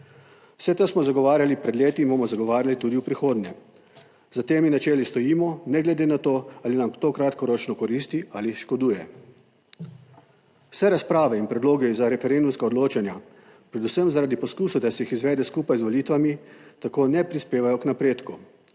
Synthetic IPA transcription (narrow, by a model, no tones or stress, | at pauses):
w̥sɛt̪osmɔzaɡɔʋaːɾjalipɾɛd̪leːt̪ibomɔzaɡɔʋaːɾjalit̪ud̪iupɾixoːd̪nʲɛ | zat̪eːminat͡ʃɛːlist̪ɔjiːmɔnɛɡlɛd̪enat̪oːaːlinamt̪oːkɾat̪kɔɾoːt͡ʃnɔkɔɾiːst̪iaːliʃkɔd̪uːjɛ | w̥sɛɾaspɾaːʋɛinpɾɛd̪loːɡɛzaɾɛfɛɾend̪umskaɔd̪loːt͡ʃanja | pɾɛd̪usəmzaɾaːd̪ipɔskuːsud̪asɛjixizʋɛːd̪ɛskuːpajzʋɔliːt̪ʋamit̪akoːnɛpɾispeːʋajɔknapɾeːt̪ku